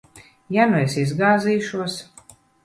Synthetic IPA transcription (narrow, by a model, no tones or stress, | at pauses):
januesizɡaːziːʃuɔs